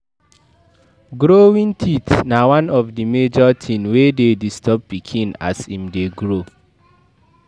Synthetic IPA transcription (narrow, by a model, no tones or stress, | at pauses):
ɡɾowĩntʰitnawãnɔfdimed͡ʒɔtʰĩnwededistʰɔp̚pikʰĩna̰shĩmdeɡɾo